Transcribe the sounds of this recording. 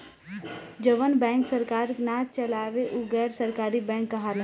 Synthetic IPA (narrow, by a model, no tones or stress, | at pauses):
d͡ʒəʋənbɛ̃ːŋksəɾkaːɾnaːt͡ʃəlaːʋeʔuɡɛːɾsəɾkaːɾibɛ̃ːŋkːɐɦal